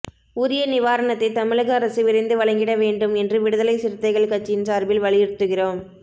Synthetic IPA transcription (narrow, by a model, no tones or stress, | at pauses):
uːɾɪjɐnɪʋaːɾɐnɐt̪ːɐɪt̪ːɐmɪɭɐɣɐːɾɐsɯʋɪɾɐɪnd̪ɯʋɐɭɐŋɡɪɽɐʋeːɳɖɯmɛndrɯʋɪɽɯðɐlɐɪsɪɾɯt̪ːɐɪɣɐɭkɐʈ̚t͡ʃːɪjɪnsaːɾbɪlʋɐɭɪjɪɾt̪ːɯɣɪroːm